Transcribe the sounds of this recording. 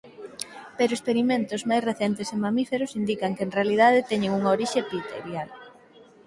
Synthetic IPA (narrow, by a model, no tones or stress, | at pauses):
peɾʊespeɾimẽnt̪ozmajsreθɛnt̪esemamifeɾosind̪ikɐŋkeːnrealið̞aðet̪ɛɲeŋuŋaoɾiʃepit̪ḛɾjal